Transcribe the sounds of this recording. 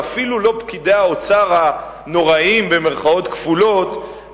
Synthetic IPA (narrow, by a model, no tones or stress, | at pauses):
afilulo̞pkideaot͡saʁa | no̞ʁaimbe̞meʁχao̞t̪kfulo̞t̪